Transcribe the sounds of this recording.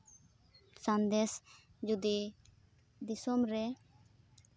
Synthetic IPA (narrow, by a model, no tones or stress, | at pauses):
sãnd̪ɛs | d͡ʒud̪i | d̪isɔmɾɛ